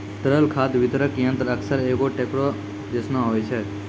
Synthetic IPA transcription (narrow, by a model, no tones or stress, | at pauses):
t̪ɾəlkʰat̪ʋɪt̪ɾəkijə̃nt̪ɾəksəɾekoʈekɽo | d͡ʒ̪esnãɦojt͡ʃʰe